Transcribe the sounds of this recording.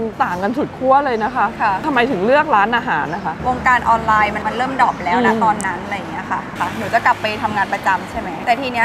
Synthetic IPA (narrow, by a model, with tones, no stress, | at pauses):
t̪aː˨˩ŋka˧nsu˨˩t̪̚kʰu˥˩ɐlɤː˧jna˦˥kʰa˦˥kʰa˧˩t̪ʰa˧mːa˧jt̪ʰɯ˩˦ŋlɯ˥˩ək̚ɾaː˦˥nʔaː˧ɦaː˩˦nːa˧˩kʰa˦˥wo˧ŋkaː˧nʔɔː˧nlaː˧jma˧nma˧nɾɤː˥˩mdɔː˨˩p̚lɛː˦˥wna˦˥t̪ɔː˧nːa˦˥nʔa˧ɾa˧jːa˨˩ŋːi˦˥ɐkʰa˥˩kʰa˧˩nuː˩˦t͡ɕɔ˧˩kla˨˩pːa˧jt̪ʰa˧mŋaː˧npɾa˧t͡ɕa˧mt͡ɕʰa˥˩jma˦˥jt̪ɛː˨˩t̪ʰiː˧ni˦˥